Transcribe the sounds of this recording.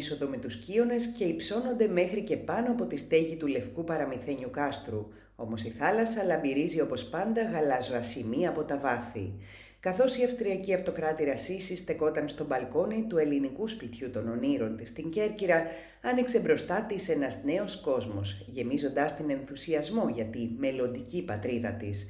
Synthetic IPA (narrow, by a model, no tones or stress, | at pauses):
so̞ðo̞met̪uscio̞ne̞sce̞ipso̞no̞nd̪e̞me̞xɾice̞pɐno̞ɐpo̞t̪ist̪e̞ʝit̪ule̞fkupɐɾɐmiθe̞ɲukɐst̪ɾu | o̞mo̞siθɐlɐsɐlɐmbiɾizio̞po̞spɐnd̪ɐɣɐlɐzoɐsimiɐpo̞t̪ɐvɐθḭ | kɐθo̞siɐfst̪ɾiɐciɐft̪o̞kɾɐt̪iɾɐsisist̪e̞ko̞t̪ɐnst̪o̞bɐlko̞nit̪ue̞linikuspit̪çut̪o̞no̞niɾo̞nt̪ist̪iɲɟe̞ɾciɾɐ | ɐnikse̞bɾo̞st̪ɐt̪ise̞nɐzne̞o̞sko̞zmo̞sʝe̞mizo̞nd̪ɐst̪ine̞nθusiɐzmo̞ʝɐt̪ime̞lo̞nd̪icipɐt̪ɾiðɐt̪is